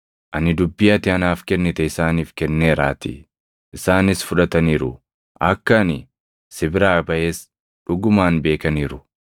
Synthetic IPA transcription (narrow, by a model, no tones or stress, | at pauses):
ʔɐnɪd̪ʊbːɪjɐt̪ɪɐnaːfkɛnːɪt̪ɛɪsaːniːfkɛnːeːɾa̰ːt̪ɪ̰ | ʔɪsaːnɪsfʊᶑɐt̪ɐniːɾʊ | ʔɐkːɐnɪ | sɪbɪɾaːbɐʔeːs | ᶑʊɡʊmaːnbe̞ːkɐniːɾʊ